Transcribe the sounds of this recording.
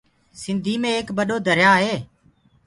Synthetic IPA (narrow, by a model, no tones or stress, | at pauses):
sɪnd̪ʱiːmẽːeːkbəɗoːd̪ʱəɾjaːɦeː